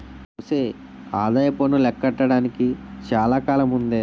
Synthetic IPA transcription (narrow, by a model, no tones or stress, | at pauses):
uːseː | aːd̪ajɐpoːnulɛkːɐʈːɐɽaːnikit͡ʃaːlaːkaːlɐmund̪eː